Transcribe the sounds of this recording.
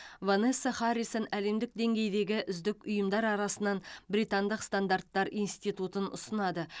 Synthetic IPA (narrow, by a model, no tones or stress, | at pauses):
vanesːaχɑɾisonæle̞md̪ɪk̚d̪e̞ŋɡʲe̞jd̪e̞ɡʲɪʔʏzd̪ɪkʲʊjəmd̪ɑɾɑɾɑsənɑnbɾijt̪and̪əqst̪and̪art̪ːɑɾinst̪it̪ut̪ənʊ̰sənɑd̪ə